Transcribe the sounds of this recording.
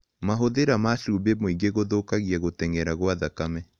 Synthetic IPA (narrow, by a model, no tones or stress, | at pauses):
maɦoðeɾamaʃubemoiŋɡeɣoðokaɣiɛɣotɛŋɛɾaɣwaðakamɛ